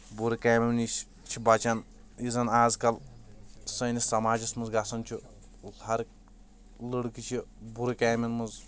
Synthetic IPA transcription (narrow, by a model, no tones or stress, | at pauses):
buɾikaːmimni | t͡ʃʰibɐt͡ʃɐn | izɐnaːzkɐl | sɐnisɐmaːd͡ʒɐsmɨnzɡɐsɐnt͡ʃʰi | hɐɾk | lɨɽkit͡ʃʰibuɾɨkaːminmɨz